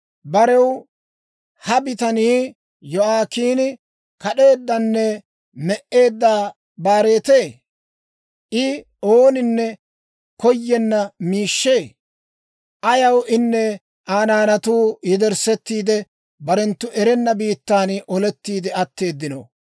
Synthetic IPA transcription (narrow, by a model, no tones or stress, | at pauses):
bɐɾɛw | hɐbɪt̪ɐniː | jɔaːkiːnɪ | kɐɗe̞ːd̪ːɐnːɛ | mɛʔe̞ːd̪ːaː | baːɾe̞ːt̪e̞ː | ʔɪ | oːnɪnːɛ | kɔjːɛnːɐmiːʃːe̞ː | ʔɐjɐwʔɪnːɛ | ʔaːnaːnɐt̪uːjɪd̪ɛɾsɛt̪ːiːd̪ɛ | bɐɾɛnt̪ːʊʔɛɾɛnːɐbiːt̪ːaːnʔɔlɛt̪ːiːd̪ɛɐt̪ːe̞ːd̪ːɪno̰